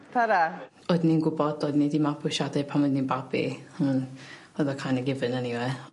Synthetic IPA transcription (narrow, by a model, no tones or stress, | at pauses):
tʰaɾa | odninɡʊbɔd̥ɔdnidimabʰʊʃadɛpʰamɔdninbabḭən | ɔðɔkʰanəɡɪvɨnɛniwɛ